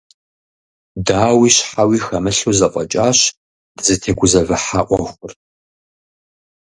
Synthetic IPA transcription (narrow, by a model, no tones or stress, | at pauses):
daːwiːɕħawiːxɐmɨɬuːzɐqʷʼɔt͡ʃʼaːɕ | d̥ɨzɨtʰeːɡʷʊzɐvɨħaːʔʷʼɔχʷʊr